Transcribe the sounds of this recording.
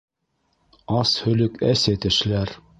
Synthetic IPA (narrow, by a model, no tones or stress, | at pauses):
ɑshɵ̆lɵkæsæt̪ɘ̆ʃlæɾ